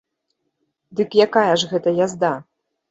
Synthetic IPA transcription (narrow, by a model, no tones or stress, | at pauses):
d̪ɨkjakajɐʐɣɛt̪ɐjazd̪a